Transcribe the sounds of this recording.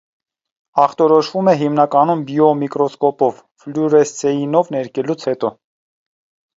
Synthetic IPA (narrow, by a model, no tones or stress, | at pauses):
ɑχt̪ɔɾɔʃvumɛɦimnɑkɑnumbiɔmikɾɔskɔpɔv | fluɾɛsɛjinɔvnɛɾkɛlut͡sʰhɛt̪ɔ